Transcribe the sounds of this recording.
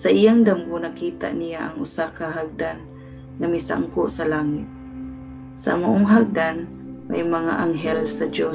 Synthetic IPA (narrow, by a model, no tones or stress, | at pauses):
saʔijaŋd̪ambʊnakit̪a̰ʔnijaʔaŋʊsakaɦaɡ̚d̪anː | amisa̰ŋkʊʔsalaːŋit̪̚ | sa̰moʔoŋɦaɡ̚d̪an | ma̰jmaŋa̰ʔaŋɦɛlsad͡ʒo